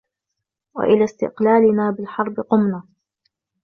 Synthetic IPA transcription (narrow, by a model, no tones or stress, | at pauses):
wa̰ʔɪlaːst̪ɪ̰qlaːlɪnaːbɪlħɑɾˤbɪqʊmnaː